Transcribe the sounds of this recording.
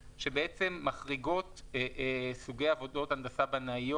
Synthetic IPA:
ʃe̞beet͡se̞mːaχʁiɡo̞t | suɡejavo̞do̞tand̪asabanajo

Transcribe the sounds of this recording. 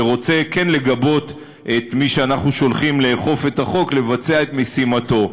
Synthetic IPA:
ʁot͡se̞kenle̞ɡabo̞t | et̪miʃeanaχnuʃo̞lχimleːχo̞fe̞taχo̞kle̞vat͡se̞ae̞t̪mesimato̞

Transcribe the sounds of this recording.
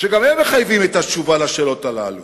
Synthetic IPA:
ʃeɡamhemeχajvimet̪at͡ʃuvalaʃeːlo̞t̪ala̰lu

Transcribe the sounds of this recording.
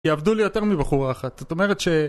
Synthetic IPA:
eavd̪ulijo̞te̞ʁmibaχuʁaːχat̪ot̪ome̞ʁet̪ʃe̞

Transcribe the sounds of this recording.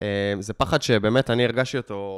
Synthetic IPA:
emzepaχad̪ʃebe̞ːmetaniiʁɡaʃtioto̞

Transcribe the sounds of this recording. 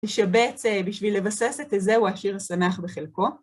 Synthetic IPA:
eʃabet͡sebiʃvilːe̞vase̞set̪ezeuaʃiʁasanaχbeχelko̞

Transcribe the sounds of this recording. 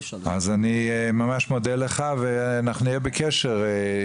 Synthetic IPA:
a̰zanimamaʃmod̪eleχaveanaχnuijebekeʃeʁ

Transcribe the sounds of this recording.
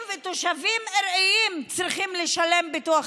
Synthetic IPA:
vet̪oʃavimeʁejimt͡sʁiχimleʃale̞mbituaχ

